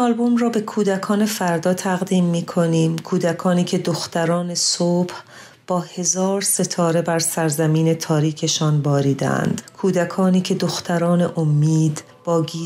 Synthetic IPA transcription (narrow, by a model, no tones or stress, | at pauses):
ɒlbo̞mrɒːbe̞kʰuːd̪ækʰɒːne̞fæɾd̪ɒːt̪ʰæɣd̪iːmːiːkʰo̞niːmkʰuːd̪ækʰɒːniːcʰe̞d̪oxt̪æɾɒːne̞sob̥h | b̥ɒːhe̞zɒːɾse̞t̪ʰɒːɾe̞bæɾsæɾzæmiːne̞t̪ʰɒːɾiːkʰe̞ʃɒːnbɒːɾiːd̪ḛæ̰nd̪̥kʰuːd̪ækʰɒːniːcʰe̞d̪oxt̪ʰæɾɒːne̞ʔomːiːd̪ | b̥ɒːɡiː